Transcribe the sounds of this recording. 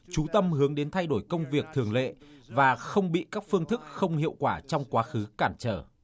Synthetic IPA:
t͡ɕu˨˦t̪ə˧mhɨ˨˦əŋɗe˨˦nt̪ʰa˧jɗo˧˩jkə˧wŋ͡mvi˨˩ək̚t̪ʰɨ˨˩əŋlḛ˧˨vaː˨˩xə˧wŋ͡mɓḭ˧˨kaː˦˥k̚fɨ˧əŋt̪ʰɨ˦˥k̚xə˧wŋ͡mhḭ˧˨əwkwaː˧˩t͡ɕɔ˧wŋ͡mkwaː˨˦xɨ˨˦kaː˧˩nt͡ɕəː˧˩

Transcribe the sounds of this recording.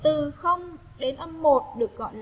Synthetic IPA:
t̪ɨ˨˩xə˧wŋ͡m | ɗe˨˦nʔə˧mːo˨˩t̚ɗɨ˨˩ək̚ɣɔ̰˧˨jl

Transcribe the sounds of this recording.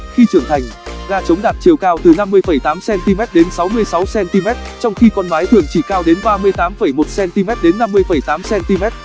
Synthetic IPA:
xi˧t͡ɕɨ˧˩əŋt̪ʰa˨˩jŋ̟ɣaː˧t͡ɕə˨˦wŋ͡mɗaː˨˩t̚t͡ɕi˨˩əwkaː˧wt̪ɨ˨˩na˧mːɨ˧əjfə˧˩jt̪aː˨˦msɛ˧nt̪i˧mɛ˦˥t̚ɗe˨˦nsa˨˦wmɨ˧əjsa˨˦wsɛ˧nt̪i˧mɛ˦˥t̚t͡ɕɔ˧wŋ͡mxi˧kɔ˧nmaː˨˦jt̪ʰɨ˧˩əŋt͡ɕḭ˧˩kaː˧wɗe˨˦nɓaː˧mɨ˧əjt̪aː˨˦mfə˧˩jmo˨˩t̚sɛ˧nt̪i˧mɛ˦˥t̚ɗe˨˦nːa˧mːɨ˧əjfə˧˩jt̪aː˨˦msɛ˧nt̪i˧mɛ˦˥t̚

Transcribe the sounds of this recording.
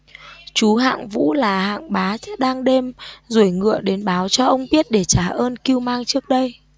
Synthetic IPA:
t͡ɕu˨˦ɦa̰ː˧˨ŋvṵ˧˥laː˨˩ha̰ː˧˨ŋɓaː˨˦˥ɗaː˧ŋɗe˧mzu˧˩əjŋɨ̰˧˨əɗe˨˦nɓaː˨˦wt͡ɕɔ˧ʔə˧wŋ͡mɓi˦˥ət̚ɗe˧˩t͡ɕaː˧˩ʔəː˧nki˧əwmaː˧ŋt͡ɕɨ˦˥ək̚ɗə˧j

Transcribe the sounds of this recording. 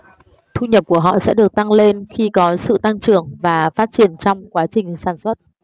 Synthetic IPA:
t̪ʰu˧ɲə˨˩p̚ku˧˩əɦɔ̰˧˨sɛ̰˧˥ɗɨ˨˩ək̚t̪a˧ŋle˧nxi˧kɔ˨˦sɨ̰˧˨t̪a˧ŋt͡ɕɨ˧˩əŋvaː˨˩faː˦˥t̚t͡ɕi˧˩ənt͡ɕɔ˧wŋ͡mkwaː˨˦t͡ɕï˨˩ŋ̟saː˧˩nswə˦˥t̚

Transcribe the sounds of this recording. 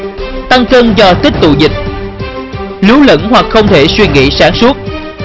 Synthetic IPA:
t̪a˧ŋkəː˧nzɔ˧t̪i˦˥k̚t̪ṵ˧˨zï˨˩k̚ | li˨˦wlə̰˧˥nhwa˨˩k̚xə˧wŋ͡mt̪ʰe˧˩swi˧ŋḭ˧˨saː˧˥nsu˦˥ət̚

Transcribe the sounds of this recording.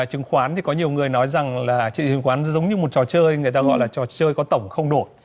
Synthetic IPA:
t͡ɕɨ˨˦ŋxwaː˨˦nt̪ʰi˨˩kɔ˨˦ɲi˨˩əwŋɨ˨˩əjnɔ˨˦jza˨˩ŋlaː˨˩t͡ɕḭ˧˨i˧˩ŋxwaː˨˦nzə˨˦wŋ͡mɲɨ˧mo˨˩t̚t͡ɕɔ˨˩t͡ɕəː˧jŋɨ˨˩əj̪aː˧ɣɔ̰˧˨jlaː˨˩t͡ɕɔ˨˩t͡ɕəː˧jkɔ˨˦t̪ə˧˩wŋ͡mxə˧wŋ͡mɗo˧˩t̚

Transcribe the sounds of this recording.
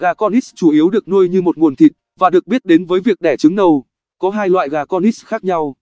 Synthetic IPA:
ɣaː˨˩kɔ˧nʔi˦˥st͡ɕu˧˩ʔi˨˦əwɗɨ˨˩ək̚nu˧əjɲɨ˧mo˨˩t̚ŋu˨˩ənt̪ʰḭ˧˨t̚vaː˨˩ɗɨ˨˩ək̚ɓi˦˥ət̚ɗe˨˦nvəː˨˦jvi˨˩ək̚ɗɛ˧˩t͡ɕɨ˨˦ŋɗə˧w | kɔ˨˦ɦaː˧jlwa̰ː˧˨jɣaː˨˩kɔ˧ni˦˥sxaː˦˥k̚ɲa˧w

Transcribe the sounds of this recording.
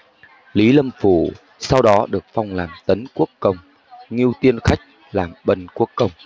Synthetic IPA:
li˨˦lə˧mfṵ˧˩ | sa˧wɗɔ˨˦ɗɨ˨˩ək̚fa˧wŋ͡mlaː˨˩mt̪ə˨˦nku˦˥əkːə˧wŋ͡m | ŋi˧əwt̪i˧ənxa˦˥jk̚ | laː˨˩mɓə˧nku˦˥əkːə˧wŋ͡m

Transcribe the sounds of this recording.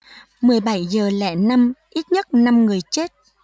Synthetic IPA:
mɨ˨˩əjɓa˧˩jzəː˨˩lɛ̰˧˥na˧mʔi˦˥t̚ɲə˦˥t̚na˧mŋɨ˨˩əjt͡ɕe˦˥t̚

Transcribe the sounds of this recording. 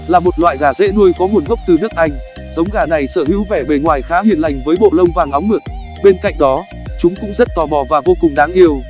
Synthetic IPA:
laː˨˩mo˨˩t̚lwa̰ː˧˨jɣaː˨˩zḛ˧˥nu˧əjkɔ˨˦mu˨˩ənɣə˦˥wk͡p̚t̪ɨ˨˩nɨ˦˥ək̚ʔa˧jŋ̟ | z̥ə˨˦wŋ͡mɣaː˧˩na˨˩jsəː˧˩hḭ˧˥wvɛ˧˩ɓe˧˩ŋwaː˨˩jxaː˨˦hḭ˧˨ənla˨˩jŋ̟vəː˨˦jɓo̰˧˨lə˧wŋ͡mvaː˨˩ŋʔa˨˦wŋ͡mmɨ˨˩t̚ | ɓe˧nka̰˧˨jŋ̟ɗɔ˨˦ | t͡ɕʊ˨˦ŋ͡mkʊ̰˧˥ŋ͡mzə˦˥t̚t̪ɔ˨˩ɓɔ˨˩vaː˨˩vo˧kʊ˨˩ŋ͡mɗaː˨˦ŋʔi˧əw

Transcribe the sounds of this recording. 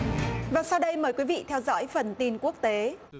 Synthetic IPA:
vaː˨˩sa˧wɗə˧jməː˨˩˦jkwi˨˦vḭ˧˨t̪ʰɛ˧wzɔ̰ː˧˥jfə˨˩nt̪i˧nku˦˥ək̚t̪e˨˦

